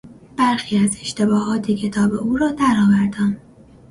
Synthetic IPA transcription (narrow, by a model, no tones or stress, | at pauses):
b̥æɾxiːæze̞ʃt̪e̞bɒːhɒːt̪ʰecʰe̞t̪ʰɒːbe̞ʔuːɾɒːd̪æɾɒːvæɾd̪æːn